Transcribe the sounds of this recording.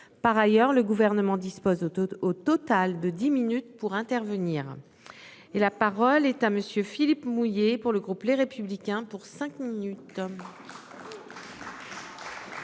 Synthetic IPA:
paʁajœʁləɡuvɛʁnəmɑ̃d̪ispozot̪ɔt̪ald̪əd̪iminyt̪̚puʁɛ̃t̪ɛʁvəniːʁ | elapaʁɔlɛt̪aməsjøfilipmujepuʁləɡʁupleʁepyblikʲɛ̃puʁsɛ̃kminyt̪

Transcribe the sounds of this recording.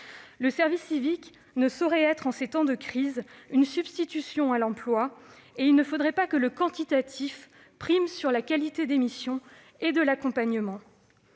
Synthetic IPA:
ləsɛʁvisːivik | nəsɔʁɛɛt̪χɑ̃set̪ɑ̃d̪əkχizynsybst̪it̪ysjɔ̃alɑ̃plwaeilnəfod̪ʁɛpakələkɑ̃t̪it̪at̪ʰif | pχimsyʁlakalit̪ed̪emisjɔ̃ | ed̪əlakɔ̃paɲəmɑ̃

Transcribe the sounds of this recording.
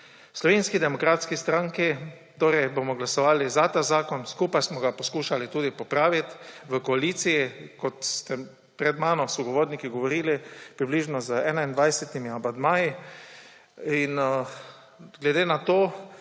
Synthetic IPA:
slɔʋeːnskid̪ɛmɔkɾaːt̪skist̪ɾãŋki | t̪oːɾɛjbomɔɡlasɔʋaːlizat̪aːzaːkɔnskupajsmɔɡapɔskuːʃalit̪uːd̪ipɔpɾaːʋit̪ʋəkɔaliːt̪sijikɔt̪st̪ɛ | pɾɛd̪maːnɔsɔɡɔʋoːɾnikiɡɔʋɔɾiːlipɾibliːʒnɔzəɛːnaind̪ʋajsɛt̪imiamand̪maːji | in | ɡlɛd̪eːnat̪oː

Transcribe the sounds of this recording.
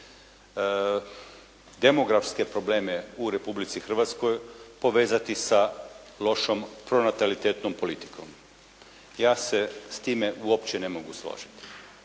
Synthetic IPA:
d̪e̞mo̞ɡɾafske̞pɾo̞ble̞ːmeuɾe̞publit̪sixr̩ʋat̪sko̞jpo̞ʋe̞ːzat̪isa | lo̞ʃompɾo̞nat̪alit̪eːt̪nompo̞lit̪i̥kʰo̞̰m | jaːsest̪iːmeʔuo̞pt͡ɕene̞moɡuslˠo̰ːʒi̥t̪i̥

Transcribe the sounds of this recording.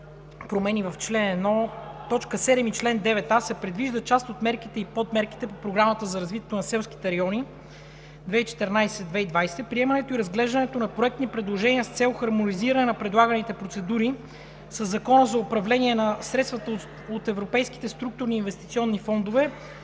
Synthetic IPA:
pɾomɛnivɐft͡ʃlɛnɛd̪nɔt̪ɔt͡ʃkəsɛd̪ɛmit͡ʃlɛnd̪ɛvɛt̪asɛpɾɛd̪viʒd̪ət͡ʃast̪ot̪mɛɾkit̪ɛipot̪mɛɾki̥t̪ɛpopɾoɡɾamət̪əzɐɾɐzvit̪ɛt̪onɐsɛlˠsk̟i̥t̪ɛɐɾɐjɔni | d̪vɛit͡ʃɛ̥t̪ɛɾnajsɛd̪vɛid̪vajsɛpɾiɛmɐnɛt̪oiɾɐzɡlɛʒd̪ənɛt̪onɐpɾoɛk̚t̪nipɾɛd̪lˠoʒɛniəst̪sɛlˠxɐɾmoniziɾənɛnɐpɾɛd̪lˠaɡənit̪ɛpɾot̪sɛd̪uɾi | səzːɐkɔnəzɐʊpɾɐvlɛniɛnɐsɾɛt̪st̪vɐt̪ə | ot̪ɛvɾopɛjski̥t̪ɛst̪ɾuk̚t̪ʊɾniːnvɛst̪it̪siɔnːifɔnd̪ovɛ

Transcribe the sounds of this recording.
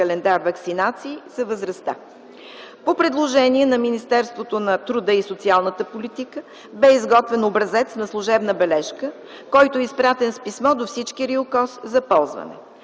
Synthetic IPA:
ɐlɛnd̪aɾvɐksinat̪siːsɐvəzɾɐst̪a̰ | popɾɛd̪lˠoʒɛniɛnɐminist̪ɛɾst̪vot̪onɐt̪ɾud̪əisot̪sialˠnət̪əpolit̪ikə | bɛizɡɔt̪vɛnobɾɐzɛt̪snɐslˠʊʒɛbnəbɛlɛʃkə | kɔjt̪ʊɛispɾat̪ɛnspismɔd̪ofsit͡ʃkiɾiokɔszɐpɔlˠzvə̰nɛ̰

